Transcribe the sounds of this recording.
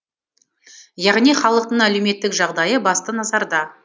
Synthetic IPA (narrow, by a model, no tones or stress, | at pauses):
jɑʁnijχɑlˠəq̚t̪əɴælewme̞t̪ːɪkʒɑʁd̪ɑjəbɑst̪ənɑzɑɾd̪ɑ